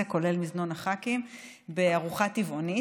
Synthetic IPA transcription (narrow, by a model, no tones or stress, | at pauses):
eko̞le̞lmiznonaχakim | beaʁuχativʔo̞ni